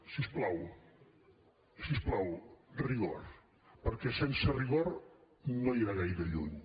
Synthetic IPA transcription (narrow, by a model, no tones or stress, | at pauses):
sisplaw | sisplawriɣo̰ɾ | pəɾkɛsensəriɣ̞or | noiɾaɣajɾəʎṵɲ